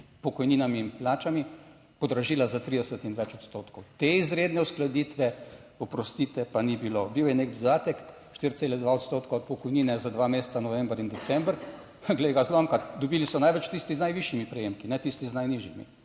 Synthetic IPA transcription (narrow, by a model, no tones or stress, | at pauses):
pɔkɔjniːnamiːnplaːt͡ʃami | pɔd̪ɾaʒiːlazat̪ɾid̪ɛsət̪inʋɛt͡ʃɔt̪st̪oːt̪kɔwt̪eizɾeːd̪nɛʊsklad̪iːt̪ʋɛ | ɔpɾɔst̪iːt̪ɛpanibiloːbiwjɛnekd̪ɔd̪aːt̪ɛk | ʃt̪iɾt̪seːlɛd̪ʋaot̪st̪oːt̪koɔt̪̚pɔkɔjniːnɛzad̪ʋameːst̪sanɔʋɛ̃mbɾind̪ɛt̪sɛmbɾ | ɡleɡazlɔmkad̪ɔbiːlisɔnajʋɛt͡ʃt̪ist̪iznajʋiʃimipɾɛjeːmkinɛt̪ist̪iznajniʒjimḭ